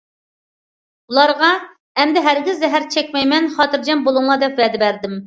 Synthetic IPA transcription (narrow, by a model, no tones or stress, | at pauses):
ulˠɑɾʁɑ | ɛmd̪ɪɦæɾɡʲizːɛɦæɾt͡ʃʰɛkʲmɛjmɛnχɑt̪ɨɾd͡ʒɛmbolˠuŋlˠɑd̪ɛpvɛd̪ɪbæɾd̪ɪm